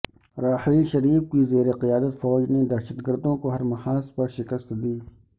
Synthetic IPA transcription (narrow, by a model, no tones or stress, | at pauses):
ɾaːħiːʃɐɾiːfkizeːɾeqɪjaːd̪ət̪fɔːd͡ʒned̪ɐɾʃəd̪ɡəɾd̪õkoɦɐɾmɐhaːspɐɾʃɪkəst̪d̪iː